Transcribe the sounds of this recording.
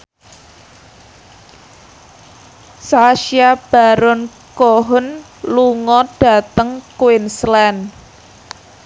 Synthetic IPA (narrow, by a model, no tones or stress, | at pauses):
saʃiab̥a̤ɾɔn | kɔɦʊn | luŋɔɖ̥a̤t̪əŋkwɪnslɛn